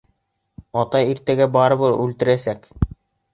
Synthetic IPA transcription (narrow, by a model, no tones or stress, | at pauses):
ɑt̪ɑjiɾt̪æɡæbɑɾɤ̆βɤʉlt̪ɘ̆ɾæsæk